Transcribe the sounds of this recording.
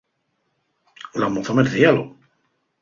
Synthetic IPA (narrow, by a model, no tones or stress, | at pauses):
ulamoθameɾθialo̰